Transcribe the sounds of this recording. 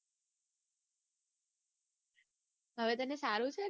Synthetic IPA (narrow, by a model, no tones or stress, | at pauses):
ɦəʋet̪ənesaɾũt͡ʃʰe